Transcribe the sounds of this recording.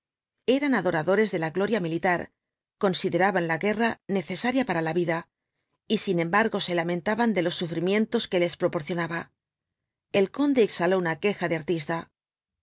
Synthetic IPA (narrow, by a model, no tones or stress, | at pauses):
e̞ɾanaðo̞ɾaðo̞ɾe̞zðe̞laɣlo̞ɾjamilit̪aɾ | ko̞nsiðe̞ɾaβanlaɣe̞rane̞θe̞saɾjapaɾalaβiða | isinẽ̞mbaɾɣo̞se̞lamẽ̞nt̪aβand̪e̞lo̞sːufɾimje̞nt̪o̞ske̞le̞spɾopo̞ɾθjo̞naβa | e̞lko̞nd̪eːksalo̞unake̞xaðe̞aɾt̪ist̪a